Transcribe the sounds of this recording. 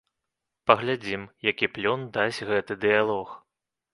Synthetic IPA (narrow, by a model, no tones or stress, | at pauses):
pɐɣlʲad͡zʲimjakʲiplʲɔnd̪asʲɣɛt̪ɨd̪ɨjalˠɔx